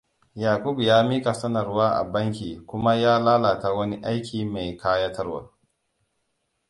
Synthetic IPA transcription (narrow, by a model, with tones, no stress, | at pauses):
jaː˨kʷu˦bjaː˦miː˦ka˨sɐ˦nɐ˨rwaː˦ʔa̰˨bɐ˦ŋkʲiː˨kʷʊ˦ma˦jaː˦laː˦la˨ta˦wɐ˦ni˦ʔa˦jkʲʰiː˨ma˨jkʰaː˦ja˦tɐ˦rwa̰˨